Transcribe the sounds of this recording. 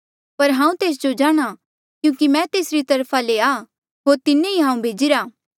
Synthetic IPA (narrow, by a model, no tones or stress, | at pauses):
pɐɾɦãːũt̪eːs̬d͡ʒod͡ʒaːɽ̃a | kjũːkimɛ̃t̪eːsɾit̪ɐɾpʰaleaː | ɦoːɾt̪ɪnːeiɦãːũbʱeːd͡ʒɪɾaː